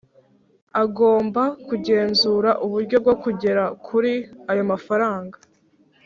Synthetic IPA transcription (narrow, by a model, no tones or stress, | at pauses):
aɡo̞ːmbakuɟe̞ːnzuɾaʔuβuɾɟo̞b̚ɡo̞kuɟe̞ɾakʰuɾiajo̞mafaɾaːŋɡa